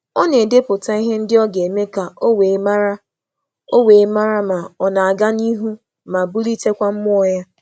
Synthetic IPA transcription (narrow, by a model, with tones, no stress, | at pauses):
ɔ˦ne˨de˦pʊ˨ta˦i˦ɦe˦n̩˦dɪ˦ɔ˦ɡe˨e˨me˦ka˨o˦we˨˦ma˦ɾa˦ | o˦we˨˦ma˦ɾa˦ma˨ɔ˨na˨a˨ɡa˦ni˦ɦu˦ | ma˨bʊ˦li˦te˦kʷa˦m̩˦mʊ˦ɔ˨ja˦